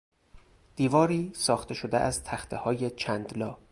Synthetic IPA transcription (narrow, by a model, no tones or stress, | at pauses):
d̪̥iːvɒːɾiːsɒːxt̪ʰe̞ʃod̪eʔæzt̪ʰæxt̪ʰehɒːje̞t͡ʃʰænd̪lɒː